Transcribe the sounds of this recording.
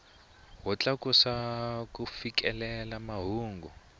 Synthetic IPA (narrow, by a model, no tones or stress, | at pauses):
ɦɔt͡ɬakusakufikɛlɛlamaɦuːŋɡu